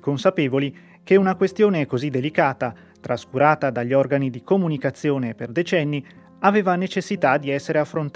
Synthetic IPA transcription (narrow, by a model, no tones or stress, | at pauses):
konsapeːvoli | keunakwest̪joːnekozid̪ːelikaːt̪a | t̪ɾaskuɾaːt̪ad̪aʎːiɔrɡanid̪ikomunikat̪sːjoːneperd̪et͡ʃɛnːi | aveːvanet͡ʃesːit̪ad̪iɛsːeɾeafːɾont̪